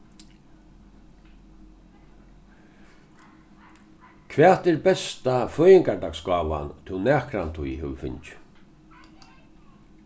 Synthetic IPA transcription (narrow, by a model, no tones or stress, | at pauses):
kʰvɛːt̪ɛɾbɛst̪afœːjɪŋkaɾd̪aːkskaːʋa̰nt̪ʰɪwnɛːkɾant̪ʰujɦɛʋfɪ̰nt͡ʃ